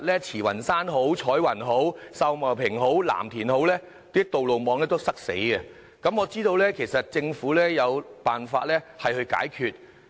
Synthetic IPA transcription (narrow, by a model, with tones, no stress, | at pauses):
lɛː˥t͡sʰiː˨˩wɐ˨˩nsaː˥nɦo˨˥wt͡sʰɔː˨˥jwɐ˨˩nɦo˨˥wsɐ˧wmɐ˨˩pʰɪ˨˩ŋɦo˨˥wla̰ː˨˩mt̪ʰiː˨˩nho˨˥wlɛː˥ | t̪iː˥t̪o˨wlo˨wmɔː˨˧ŋlɛː˥t̪o˥wsɐ˥k̚sḛ˨˥jɡɐ˧ | kɐ˨˥mɔː˨˧t͡siː˥t̪o˧wlɛː˥kʰe˨˩jsɐ˨t̚t͡sɪ˧ŋfuː˨˥lɛː˥jɐ˨˧wpaː˨nfa̰ː˧t̚lɛː˥hɐ˨jhɵ˧ɥka̰ː˨˥jkʰyː˨˧t̚